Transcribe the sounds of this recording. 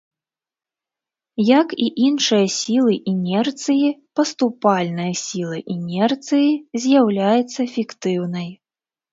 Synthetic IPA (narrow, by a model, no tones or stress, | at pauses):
jɐkiʔinʂɨjɐsʲilˠɨʔinʲɛrt̪sɨjipɐst̪upalʲnɨjɐsʲilˠɐʔinʲɛrt̪sɨjizʲjawlʲajut̪sːɐfʲikt̪ɨwnɐj